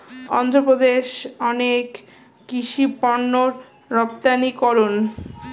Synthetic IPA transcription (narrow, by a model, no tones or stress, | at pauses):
ɔ̰nd̪ʱɾopɾod̪eʃɔnekː | iʃipɔnːoɾː | ɔp̚t̪anikɔɾon